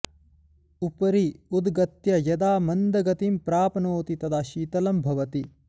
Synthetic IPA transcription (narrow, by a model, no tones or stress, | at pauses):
upɐɾiud̪ɡɐt̪jɐjɐd̪aːmɐnd̪ɐɡɐt̪impɾaːpɐnoːt̪it̪ɐt̪ʰaːʃiːt̪ɐlɐmbʱɐʋɐt̪i